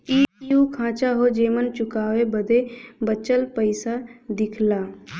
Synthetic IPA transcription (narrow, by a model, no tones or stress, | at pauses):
iːjuːkʰãːt͡ʃaɦod͡ʒeːmənt͡ʃʊkaːʋebəd̪ebət͡ʃəlpəɪsad̪ɪkʰlaː